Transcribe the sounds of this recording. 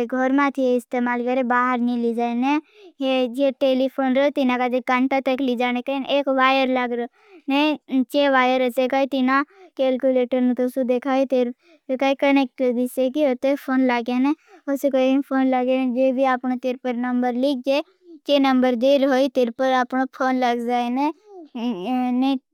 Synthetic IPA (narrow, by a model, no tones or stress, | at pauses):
ɡʱɔɾmãt̪ʰieɪst̪eːmaːlkəɾebaːɦəɾnĩlid͡ʒaːene | ed͡ʒeʈeːlipʰoːnɾot̪ɪnãkad͡ʒ̪ekaɳʈat̪əklid͡ʒaːnẽkəneːkʋaːjəɾlaɡɾ | nẽt͡ʃeːʋaːjəɾəsekaːit̪ɪnãkeːlkuleːʈəɾnũt̪osud̪eːkʰaːit̪eɾ | kaikənɛk̚ʈd̪ɪsekiot̪epʰoːnlaɡeːneː | osekoipʰoːnlaɡened͡ʒeːbiːaːpnot̪ɪɾpəɾnəmbəɾlɪk̚ʰd͡ʒeː | t͡ʃeːnəmbəɾd̪eːɾɦoːit̪ɪɾpəɾaːpnopʰoːnləɡd͡ʒaːeneː | ne